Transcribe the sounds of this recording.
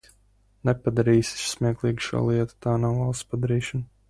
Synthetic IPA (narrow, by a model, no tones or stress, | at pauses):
nɛpad̪aɾiːsi̥ssmʲiɛklˠiːɡʃṵlˠiɛt̪ḁt̪aːnawalspad̪aɾiːʃan